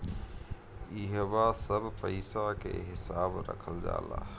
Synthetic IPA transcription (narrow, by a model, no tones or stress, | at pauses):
iɦəbasəbʱpəɪsakeɦɪsabɾə̰kʰəld͡ʒa̰la̰